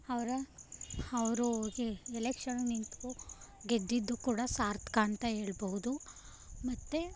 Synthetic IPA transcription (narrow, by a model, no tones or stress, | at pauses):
ɐʋɾɐ | ɐʋɾuɡeelekʂɐnnint̪kuɡed̪ːid̪ːukuːɽɐsaːɾt̪ʰkaːɳt̪aɦeːɭbɐɦud̪u | mɐt̪ːe